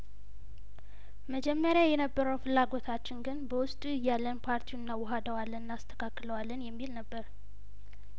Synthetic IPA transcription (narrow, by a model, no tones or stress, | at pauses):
məd͡ʒɛmːəɾjajɛnəbːəɾəwfɨlːaɡo̞t̪ʰat͡ʃːɪnɡɨnbəwʊst̪ʼuɨjalːənpʰaɾt̪ʰiuɨnːawɔɦad̪əwalːənːast̪ʰə̥kʰakːləwalːənjɛmːilnəbːəɾ